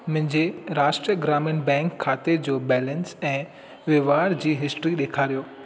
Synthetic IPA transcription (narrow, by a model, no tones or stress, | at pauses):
mʊ̃ɦɪ̃ɲd͡ʑeɾaːʃʈɾiəɡɾaːmənʈbɛ̃ːŋkʰːaːt̪ed͡ʑoːbɛːlənsɛ̃ː | ʋeʋaːɾd͡ʑiːɦɪsʈɾiɗeːkʰaːɾijoː